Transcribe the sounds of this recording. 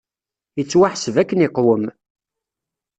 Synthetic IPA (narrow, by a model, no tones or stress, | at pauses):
jət͡sːwaħəsəvækːəniqːwəm